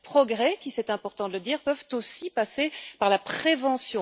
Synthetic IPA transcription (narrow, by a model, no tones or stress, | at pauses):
pχɔɡʁɛkʲisɛt̪ɛ̃pɔʁt̪ɑ̃d̪ələd̪iːʁpœvt̪osipasepaʁlapχevɑ̃sjɔ̃